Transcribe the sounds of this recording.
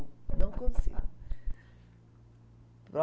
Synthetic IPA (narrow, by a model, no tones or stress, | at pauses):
nɐ̃w̃kõsḭɡu | pɾɔ